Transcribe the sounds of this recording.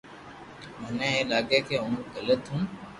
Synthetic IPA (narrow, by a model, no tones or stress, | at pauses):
mənẽːɦeːlaːɠeːkeːʊɳ̤ũːɡələt̪ɦũː